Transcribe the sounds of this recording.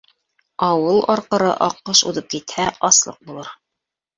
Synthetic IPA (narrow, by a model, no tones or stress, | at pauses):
ɑwɤlˠɑɾqɤ̆ɾɤʔɑqːɤʃṵðɤp̚kit̪hæʔɑslˠɤ̰q̚bulˠɤɾ